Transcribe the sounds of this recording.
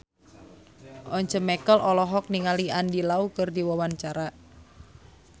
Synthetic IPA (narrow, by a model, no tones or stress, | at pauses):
ʔɔɲt͡ʃəmɛkəlʔɔlɔɦɔk̚niŋaliandilaukɨrdiwawant͡ʃaɾa